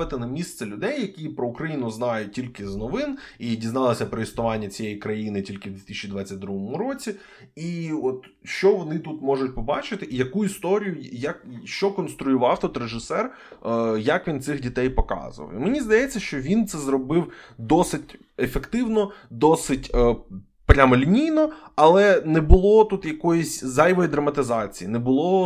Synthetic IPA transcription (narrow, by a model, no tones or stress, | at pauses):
ɪt̪ɪnɐmʲist̪sɛlʲʊd̪ɛjːɐkʲipɾɔʊkɾɐjinʊznɑjʊtʲilʲkɪznɔʋɪnidʲiznɑlˠɐsʲɐpɾɔisnʊʋɑnʲːɐt͡sʲijɛjikɾɐjinɪtʲilʲkɪwd̪ʋʲit̪isʲt͡ʃʲid̪ʋɑt͡sʲːɐtʲd̪ɾuɦɔmʊɾɔt͡sʲi | iɔt̪ | ʃt͡ʃɔʋɔnɪt̪ut̪mɔʐʊtʲpɔbɑt͡ʃɪt̪ɪʔijɐkuist̪ɔɾʲijʊjɐkʃt͡ʃɔkɔnst̪ɾʊjʊʋɑwt̪ut̪reʒɪsɛr | jakʋʲint̪sɪxdʲit̪ɛjpɔkɑ̰zʊɐ̰wimenʲizd̪ɐjɛt͡sʲːɐʃt͡ʃɔʋʲint̪sɛzɾɔbɪwd̪ɔsɪtʲ | efekt̪ɪwnɔd̪ɔsɪtʲ | pɾʲamɔlʲinʲijnɔɐlˠɛnɛbʊlˠɔt̪ut̪jɐkɔjɪsʲzɑjʋɔjid̪ɾɐmɐt̪ɪzɑt͡sʲijinɛbʊlˠɔ